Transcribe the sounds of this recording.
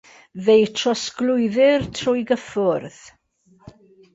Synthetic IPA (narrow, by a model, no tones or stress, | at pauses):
ðejtʰrɔsklˠʊɨðɪrtʰrʊjɡəfʊrð̥